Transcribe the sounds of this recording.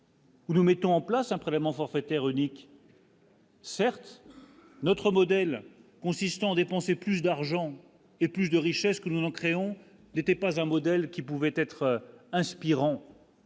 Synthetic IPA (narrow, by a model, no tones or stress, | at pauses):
unumɛt̪ɔ̃ɑ̃plasɛ̃pχelɛvmɑ̃fɔʁfet̪ɛʁynik | sɛʁt̪ | nɔt̪χəmɔd̪ɛlkɔ̃sist̪ɑ̃ad̪epɑ̃seplys̬d̪aʁʒɑ̃ | eplysd̪əʁiʃɛskənuzɑ̃kχeɔ̃ | net̪ɛpazɛ̃mɔd̪ɛlkʲipuvɛt̪ɛt̪χɛ̃spiʁɑ̃